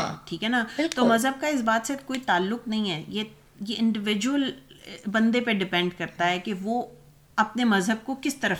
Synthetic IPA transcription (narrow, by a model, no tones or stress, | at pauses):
ʈʰiːkɦɛnaɪt̪omɐzɦəb̚kaɪs̬baːt̪sekoːit̪aːlːʊqnɐɦĩɦɛːje | jeɪ̃ɳɖɪʋɪd͡ʒuəlbɐ̃nd̪epeɖɪpɛ̃ɳɖkɐɾt̪aɦɛkeʋoː | ɐpnemɐzɦəb̚kokɪst̪ɐɾəf